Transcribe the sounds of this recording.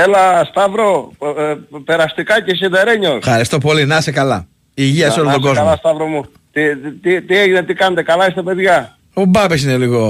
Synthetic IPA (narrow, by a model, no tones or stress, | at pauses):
elɐst̪ɐvɾo | peɾɐst̪ikɐces̬iðeɾeɲosfxɐɾist̪o̞po̞linɐsekɐlɐ | iʝiɐseo̞lot̪oɡo̞zɐmlɐst̪ɐvɾomu | t̪it̪it̪ieʝinet̪ikɐnet̪ekɐlɐist̪ɐpe̞ðʝɐ | obɐpes̬ineliɣo